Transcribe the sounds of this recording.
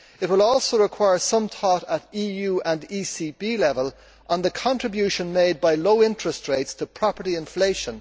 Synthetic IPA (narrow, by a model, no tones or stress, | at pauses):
ɪt̚wɪlɔlˠsoʊɹɪkʰw̥aɪə˞sʌ̃mt̪ʰɔɾəɾijʉːə̃ndisibilɛvəl | ʔə̃nðəkʰɑ̃ntɹ̥ɨbjʉʃə̃nmeɪd̚baɪloʊɪ̃ntɹ̥əstɹeɪtstʰəpʰɹ̥ɑpə˞ɾiɪ̃ɱfleɪʃə̃n